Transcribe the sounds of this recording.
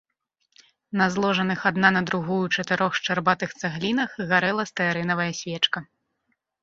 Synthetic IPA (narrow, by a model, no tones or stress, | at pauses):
nɐzlˠɔʐɐnɨxad̪nanɐd̪ɾuɣujut͡ʂɐt̪ɨɾɔxʂt͡ʂarbat̪ɨxt̪saɣlʲinɐxɣaɾɛlˠɐst̪ɐjaɾɛnɐvɐjɐsʲvʲɛt͡ʂkɐ